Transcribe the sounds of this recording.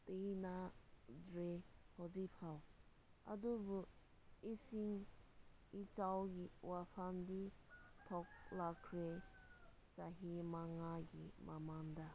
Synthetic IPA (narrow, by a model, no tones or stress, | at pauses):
tenadɾehɔd͡ʒipʰaw | a̰dubu | isiŋ | it͡ʃawɡiwapʰamditʰɔk̚lakʰːɾe | t͡ʃaɦimaŋaɡimʔamaŋda